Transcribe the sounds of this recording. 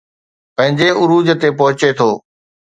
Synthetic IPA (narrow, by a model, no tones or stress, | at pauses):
pɐ̃ɦɪ̃ɲd͡ʑeʊɾuːd͡ʑət̪epɐɦʊt͡ɕet̪ʰoː